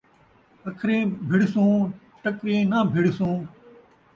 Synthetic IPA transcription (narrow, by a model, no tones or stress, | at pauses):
əkʰɾẽːbʱɪɽsõː | ʈəkɾẽːnaːbʱɪɽsõː